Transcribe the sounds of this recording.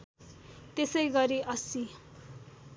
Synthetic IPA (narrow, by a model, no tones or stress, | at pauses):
t̪esʌjɡʌɾiʔʌsi